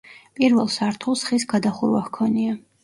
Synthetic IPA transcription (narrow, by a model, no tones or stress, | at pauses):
pʼiɾvɛlˠsaɾt̪ʰulˠsχisɡad̪aχuɾwahkʰɔnia